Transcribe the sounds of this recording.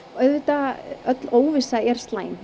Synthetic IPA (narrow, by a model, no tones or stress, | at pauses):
ɔœðvɪt̪aœt̪loːwvɪsaɛɾ̥st̪laːjn